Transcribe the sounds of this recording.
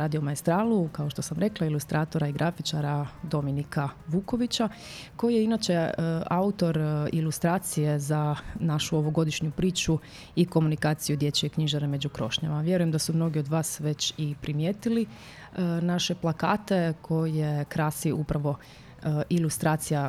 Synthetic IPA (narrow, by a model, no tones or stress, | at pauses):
ɾaːd̪iomaest̪ɾaːlukaoʃt̪o̞samɾe̞klˠailust̪ɾʔaːt̪o̞ɾaiɡɾʔafit͡ʃaɾad̪o̞minikaʋuːko̞ʋit͡ɕako̞jije̞inat͡ʃe̞aut̪o̞ɾḭlust̪ɾaːt̪sije̞zanaʃuoʋo̞ɡo̞d̪iʃɲupɾiːt͡ʃu | iko̞munikaːt̪sijud̪je̞t͡ɕie̞kɲiʒaneme̞d͡ʑukɾo̞̰ʃɲa̰maʋje̞ɾujemd̪asumno̞ɡio̞d̪ʋaːsʋe̞t͡ɕipɾimjeːt̪ili | naʃe̞plˠakaːt̪e̞kʰo̞jijekɾasiʔupɾaʋo̞ | ʔilˠust̪ɾaːt̪sija